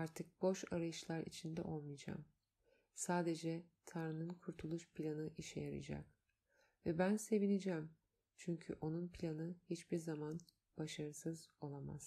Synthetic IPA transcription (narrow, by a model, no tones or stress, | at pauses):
aɾt̪ʰɯk̚bo̞ʃaɾajɯʃlˠaɾḭt͡ʃʰind̪ɛ̰ʔo̞lˠmijd͡ʒa̰ːm | saːd̪e̞d͡ʒɛt̪ʰaɾɯnɯnkʰuɾt̪ʰulˠuʃpʰlʲanɯʔiʃɛjaɾɯ̰d͡ʒa̰k | vɛbænse̞vinid͡ʒæm | t͡ʃʰyɲcʰy̰ʔo̞nunpʰilʲanɯhit͡ʃbiɾzaman | b̥aʃaɾɯsɯzo̞lˠama̰z̥